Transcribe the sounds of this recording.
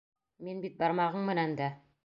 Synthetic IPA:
minbit̪̚bɑɾmɑʁɤɴmɘ̆nænd̪æ

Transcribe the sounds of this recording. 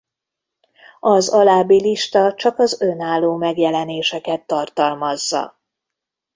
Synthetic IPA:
ɒzɒlaːbiliʃt̪ɒt͡ʃɒkɒzønaːlːoːmɛɡjɛlɛneːʃɛkɛt̪ːɒrt̪ɒlmɒzːɒ̰

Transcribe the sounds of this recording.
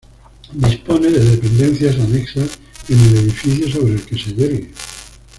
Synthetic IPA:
d̪ispo̞neðeðe̞pẽ̞nd̪e̞n̟θjas̬aneksas | enele̞ðifiθjoso̞β̞ɾelke̞seʎeɾɣe

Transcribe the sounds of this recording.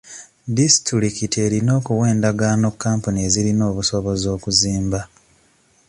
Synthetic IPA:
disi̥tɾiɾikite̞ɾino̞ːkuwe̞ːndaɡano̞kːaːmpunie̞ziɾino̞ːβuso̞βo̞zo̞ːkuziːmba

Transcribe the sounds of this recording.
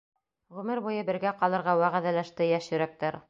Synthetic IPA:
ʁʉmɘɾbujɤbɘ̆ɾɡæqɑlˠɤ̆ɾʁɑwæʁæðælæʃt̪ɘjæʃjɵ̆ɾæk̚t̪æɾ

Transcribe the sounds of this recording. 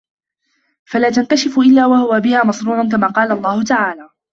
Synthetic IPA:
falaːt̪ank̪aʃɪfʔɪlːaːwahʊwabɪhaːmɑsnuːɾˤankamaːqɑːlalˤːɑːhʊt̪aʕaːlaː

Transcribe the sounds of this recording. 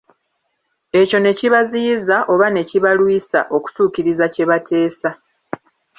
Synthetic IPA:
e̞co̞ne̞ciβazizaʔo̞βane̞ciβalwiːsa̰ʔo̞ku̥tuːciɾizace̞βatʰe̞ːsa

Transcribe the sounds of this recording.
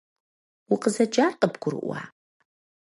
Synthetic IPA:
wʊqəzɐd͡ʒaːrqəbɡ̥ʷʊɾɨ̰ʔʷa̰ː

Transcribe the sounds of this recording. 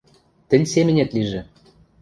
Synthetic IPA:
t̪ɘ̆nʲsemɘ̆nʲet̪liʒĕ

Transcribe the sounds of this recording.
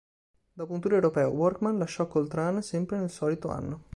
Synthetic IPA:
d̪ɔːp̬ount̪uːɾewɾopɛːo̰wɔrkmanlaʃːɔkːolt̪ɾansɛmpɾenelsɔːlit̪oa̰nːo

